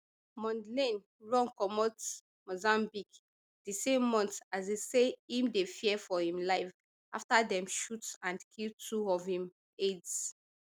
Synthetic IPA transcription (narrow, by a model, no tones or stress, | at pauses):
mɔ̃ndlẽn | ɹɔ̃ŋkɔmɔt | mozãmbik | d̥isẽmːɔ̃ntazeseĩmdefiɛfɔhĩmlaɪf | aftadɛ̃mʃutãndkʰiltʰuɔvhĩm | eds